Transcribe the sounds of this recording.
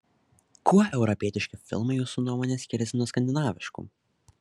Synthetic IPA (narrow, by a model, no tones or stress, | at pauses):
kuɔʔɛʊɾɔpʲiɛt̪ʲɪʃʲkʲɪfʲɪ̰lˠmɐjuːsunuɔmɔːnʲesʲkʲɪɾʲɛsʲɪnuɔskɐnʲd̪ʲɪnɑːʋʲɪʃkṵː